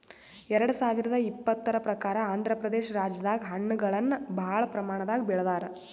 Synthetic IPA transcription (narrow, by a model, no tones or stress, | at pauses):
ɛɾɐɽusaːʋiɾɐd̪ɐipːɐt̪ːɐɾɐpɾɐkaːɾɐaːnd̪ʱɾɐpɾɐd̪eːʃɐɾaːd͡ʒɐd̪aːɡɦɐɳːuɡɐɭɐnːɐbʱaːɭɐpɾɐmaːɳɐd̪aːɡibɛɭɐd̪aːɾɐ